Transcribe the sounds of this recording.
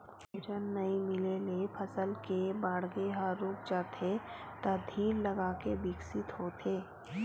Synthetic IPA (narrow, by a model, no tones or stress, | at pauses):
d͡ʒənːɐɦĩmɪlelepʰəsəlkebaːɽɡeɦaɾuːk̚d͡ʒaːt̪ʰe | t̪ɐd̪ʱiːɾlɐɡaːkebɪksɪt̪ɦoːt̪ʰeː